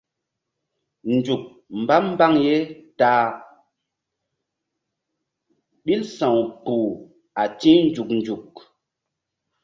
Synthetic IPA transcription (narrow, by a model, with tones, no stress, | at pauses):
nd͡ʒu˨k̚ | m˨ba˦mm˦ba˦ŋje˦taː˦ | ɗi˦lsã˨wpu˨ | a˨tĩ˦n˦d͡ʒu˨k̚nd͡ʒu˨k̚